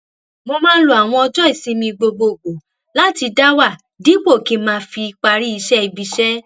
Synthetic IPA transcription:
mo˧mãː˦lo˦a˨w̃ɔ̃˧ɔ˧d͡ʒɔ˦i˦˨sĩ˨˦mĩ˧ɡ͡bo˧ɡ͡bo˧˨ɡ͡bo˨ | la˦ti˧da˦wa˦˨ | di˨˦k͡po˦˨ki˧˦mãː˧fi˧k͡pa˧ɾi˦i˧ʃɛ˦i˨˧bi˧ʃɛ˦

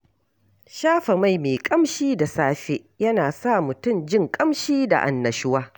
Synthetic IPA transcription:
ʃaː˦ɸa˨ma˦˨jmeː˨kʼɐ˦mʃiː˦da˨saː˦ɸe˦ | jɐ˦naː˨sa˦mʊ˨tʊ˦˨md͡ʒɪ˦˨ŋkʼɐ˦mʃiː˦da̰˨ʔa˨nːɐ˨ʃɪ˦waː˦

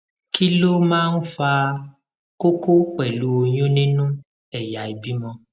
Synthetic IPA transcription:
ki˦lo˦mãː˦n̩˦fa˧ | ko˦ko˦k͡pɛ˨lu˦o˧ɲ̃˦o˦nĩ˦nũ˦ | ɛ˨ja˨i˨bi˦mɔ̃˧

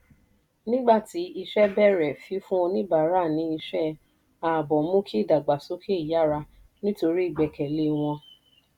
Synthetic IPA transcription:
nĩ˦ɡ͡ba˦˨ti˨˦i˧ʃɛ˦bɛ˦ɾɛ˨fi˧˦fũ˦o˧nĩ˦ba˨ɾa˦˨nĩ˨˦i˧ʃɛ˦ | a˨bɔ˨mũ˦kʰi˦˨da˨ɡ͡ba˨so˨˦kʰe˦˨ja˦ɾa˧ | nĩ˦to˧ɾi˦i˦˨ɡ͡bɛ˨kɛ˨le˧˦w̃ɔ̃˧

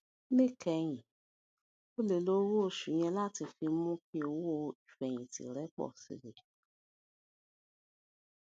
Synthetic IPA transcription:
nĩ˦˨kʰɛ˨˧j̃ĩ˨ | o˦le˨lo˨˦wo˦˧ʃũ˨j̃ɛ̃˧la˦ti˧fi˧mũ˦ki˦o˧wo˧i˨fɛ˨j̃ĩ˨tḭ˨ɾɛ˨˦k͡pɔ̰˦˨sḭ˨˧˦ɾe˨

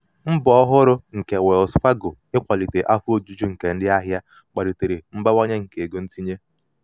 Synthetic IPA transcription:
m̩˦bɔ˦ɦʊ˦ɾʊ˦ŋ̩˨ke˨we˨ɔ˨sfa˦ɡʊ˨ | ɪ˦kʷa˨li˨te˨ʔa˦fʊ˦o˦˨d͡ʒu˦d͡ʒu˦ŋ̩˨ke˨n̩˦dɪ˦a˦ɦja˦ | k͡pa˨ɾi˨te˨ɾe˨m̩˦ba˦wa˦ɲe˦ŋ̩˨ke˨ɡo˨n̩˦ti˦ɲe˦

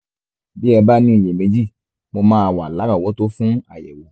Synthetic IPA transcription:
bi˦ɛ˧ba˦nĩ˦i˨je˨mẽ˨˧˦d͡ʒi˦˨ | mo˧mãː˦˧˨wa˨la˨˦ɾɔ˦˨wɔ˨˦to˦fũ˦a̰˦˨jɛ̰˨wo˨˦

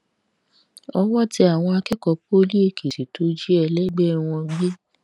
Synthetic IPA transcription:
ɔ˧wɔ˦˨ti˧˦a˨w̃ɔ̃˧a˧kɛ˦kɔ˧p̚o˦li˦e˦˨kʰi˨si˨to˨˦d͡ʒi˦ɛ˧lɛ˦ɡ͡bɛ˦˨w̃ɔ̃˧ɡ͡be˦

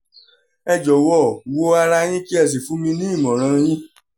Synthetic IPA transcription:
ɛ˧˨d͡ʒɔ˨wɔ˦˨wo˦a˧ɾa˧˦j̃ĩ˦ki˦ɛ˦˨s̬i˨fũ˦mĩ˧nĩ˦i˦˨mɔ̃˨ɾ̃ã˧˦˧j̃ĩ˦

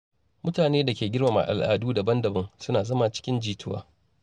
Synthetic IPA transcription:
mʊ˦taː˨neː˦da˨kʲeː˨ɡʲɪ˦rma˨ma̰˨ʔa̰˨lʔa̰ː˨duː˦da˨bɐ˦ndɐ˨bɐ˦ŋsʊ˦naː˨zɐ˦maː˦t͡ʃɪ̥˦kʲɪ˦nd͡ʒiː˨tʊ˦wa̰ː˦

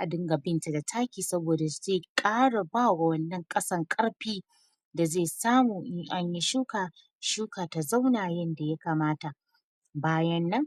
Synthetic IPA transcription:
ʔa˨dɪ˦ŋɡa˨bɪ˦nta˨da˨tʰaː˦kʲiː˨sɐ˦boː˨da˨zeː˦˨kʼaː˦ɽa˨baː˦˨wa˨wɐ˦nːɐ˦ŋkʼɐ˦sɐ˦ŋkʼɐ˦ɽɸiː˦ | da˨zeː˦˨saː˦muː˨ʔa˦ɲji˦ʃuː˦ka˨ | ʃuː˦kaː˨ta˨za˦wnaː˨jɐ˦nda˨ja˦kaː˨maː˦ta˨ | baː˦jɐ˦nːɐ˦ŋ

